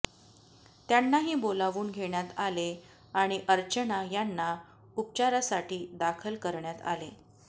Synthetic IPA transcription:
t̪janːaɦiːbolaʋuːnɡʱeɳjat̪ale | aɽ̃iʔəɾt͡ɕənajanːa | up̚t͡ɕaɾasaʈiːd̪akʰəlkəɾɳjat̪a̰le

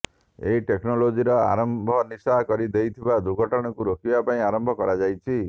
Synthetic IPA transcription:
ḛɦiʈeknɔlod͡ʒiɾɔa̰ɾɔmbʱɔnisakɔɾid̪ejt̪ʰibad̪uɡʱɔʈɔɽ̃ɔkuɾokibapaĩaɾɔmbʱɔkɔɾad͡ʒajt͡ʃʰi

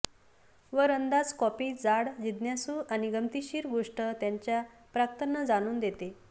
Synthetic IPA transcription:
ʋəɾənd̪ad͡zkɔpiːd͡zaɽd͡ʑid̪njasuːʔaniɡəmt̪iɕiːɾɡoʂʈət̪jaɲt͡ɕja | pɾakt̪ənːəd͡zaɽ̃uːnd̪et̪e

